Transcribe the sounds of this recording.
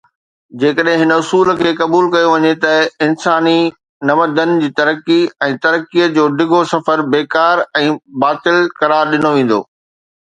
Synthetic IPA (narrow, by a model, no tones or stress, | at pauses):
d͡ʑeːkəɗɦɪ̃ɦɪnəʊsuːlkʰeːkɐbuːlkɐjoʋɐɲet̪ɐɪnsaːni | nɐməd̪ənɪ̆d͡ʑiːt̪ɐɾəkːiɛ̃ːt̪ɐɾəkiəd͡ʑoːɖɪɡʱosɐfəɾbeːkaːɾɛ̃ːbaːt̪ɪlkɐɾaːɾɗɪnoʋẽːn̆d̪o̰ː